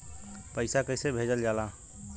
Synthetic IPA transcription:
pəɪsakəjsebʱed͡ʒəld͡ʒala

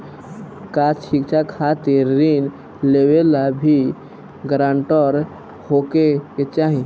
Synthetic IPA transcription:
kat͡ʃʃikt͡ʃʰakʰat̪eɾɾin | lewelabʱi | ɡɾãːɳʈɔɾ | hokeket͡ʃaɦĩ

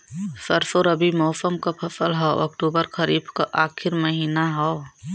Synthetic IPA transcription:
sɐɾfoɾɐbimɔːsəmkapʰɐsəlɦɔ̰ːʔɐ̰kʈuːbəɾxʰɐɾiːbkaʔaːxʰɪɾmɐɦiːnaɦɔ

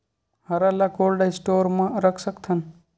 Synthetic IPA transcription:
həɾalakolɖajsʈoɾmãɾəkʰsəkt̪ʰən

